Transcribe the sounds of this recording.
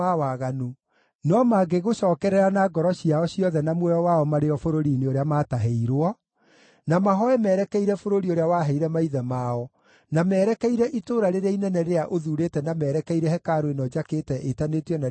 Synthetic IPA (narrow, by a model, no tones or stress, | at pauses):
awaɣanu | nɔmaɡeɣoʃɔːkɛɾɛɾanaɡɔɾɔɕiaɔɕijɔðɛnamwɛjɔwaɔmaɾeɔfoɾoɾiːneoɾeamaːtaɦeiɾwɔ | namaɦɔɛmɛɾɛkɛiɾɛfoɾoɾioɾeawaɦɛiɾɛmaiðɛmaɔ | namɛːɾɛkɛiɾɛʔitoːɾaɾeɾeainɛnɛɾeaʔoðuɾetɛnamɛːɾɛkɛiɾɛhɛkaɾoenɔd͡ʒaketɛʔetaneteɔna